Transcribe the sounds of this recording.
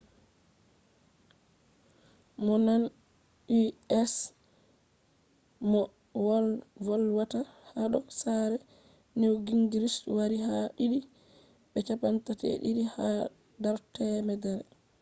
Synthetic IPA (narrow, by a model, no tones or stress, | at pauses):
mɔnan | iɛs | mɔ | wɔlvɔlwatahaɗɔsaɾɛ | nɛwɡiŋɡiɾiswaɾiɦaɗiɗi | ɓɛt͡ʃapantatɛ̰ɗḭɾiha | daɾtɛmɛdɛɾɛ